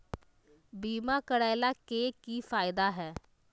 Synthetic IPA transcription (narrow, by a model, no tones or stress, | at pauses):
biːmãːkəɽaːɪlaːkeːkiːfʰaːɪd̪aːɦɛː